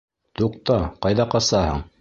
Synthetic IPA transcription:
t̪uq̚t̪ɑqɑjðɑqɑsɑhɤ̰ɴ

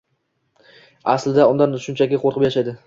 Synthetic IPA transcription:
aslɪd̪aʊnd̪anʃʊnt͡ʃʰakʲɪqʰoɾqʰɨpjaʃajd̪ɪ

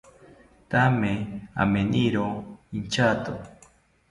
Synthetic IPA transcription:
t̪amea̰meniɾoint͡ʃat̪o

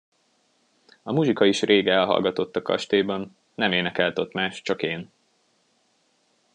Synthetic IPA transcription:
ɒmuʒikɒiʃrʔeːɡɛlɦɒ̰lɡɒt̪o̞t̪ːɒkɒ̰ʃt̪eːbɒnː | ɛmeːnɛkɛlt̪ot̪maːʃt͡ʃɒkeːn

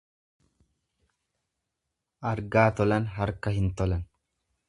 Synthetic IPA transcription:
ʔɐɾɡaːt̪ɔlɐnɦɐɾkɐhɪnt̪ɔlɐn

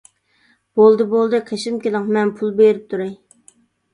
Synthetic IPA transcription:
b̥olˠd̪ɨbolˠd̪ɨqʰeʃɪmkʲelˠɪŋmɛnpʰulˠbeɾɪp̚t̪ʰuɾe

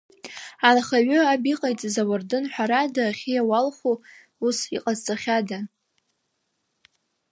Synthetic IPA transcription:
anχaɥʊabiqʼajt͡sʼzawardɨnħʷᶣaɾadaχʲijawalχʷu | usḭqʼazt͡sʼaχʲada

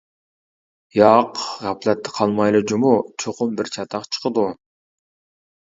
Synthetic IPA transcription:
jɑqʁɑplˠat̪ːɪ̥qʰɑlˠmɑjlˠɨd͡ʒumut͡ʃʰoqʊmbiɾt͡ʃʰɑt̪ɑqt͡ʃʰə̥qd̪u

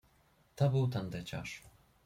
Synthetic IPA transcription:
t̪ɔbɨwt̪and̪ɛt͡ɕa̰ʂ

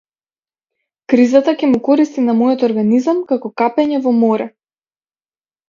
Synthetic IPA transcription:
kɾizat̪akʲɛmukɔɾist̪inamɔjɔt̪ɔɾɡanizamkakɔkapɛɲɛvɔmɔɾɛ

